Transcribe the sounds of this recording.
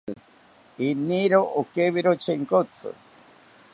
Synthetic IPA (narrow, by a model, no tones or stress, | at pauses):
iniɾoʔokeβiɾot͡ʃʰeŋkot͡sʰɨ̰